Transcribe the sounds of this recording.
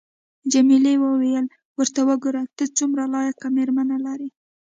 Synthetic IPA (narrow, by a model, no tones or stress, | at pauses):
d͡ʒamilewəwejəl | wəɾt̪awəɡoɾat̪ət͡sumɾalɑjakameɾmanalaɾi